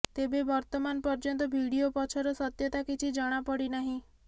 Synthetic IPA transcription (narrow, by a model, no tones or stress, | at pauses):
t̪ebebɔɾt̪ɔmanpɔɾd͡ʒɔnt̪ɔbʱiɽiopɔt͡ʃʰɔɾɔsɔt̪jɔt̪akit͡ʃʰid͡ʒɔɽ̃apɔɽinaɦĩ